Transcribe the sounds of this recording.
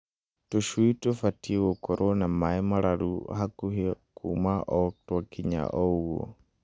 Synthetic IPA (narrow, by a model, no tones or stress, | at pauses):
tuʃwuitɔfatʰiwɔkɔɾʔɔnamaɛmaɾaɾuhakuhikʰṵmaʔɔtwakiɲa̰ʔɔuɔ̰